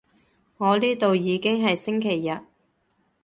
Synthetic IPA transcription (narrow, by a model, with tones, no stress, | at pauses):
ŋɔː˨˧liː˥t̪o˨wjiː˨˧kɪ˥ŋɦɐ˨jsɪ˥ŋkʰe˨˩jːɐ˨t̚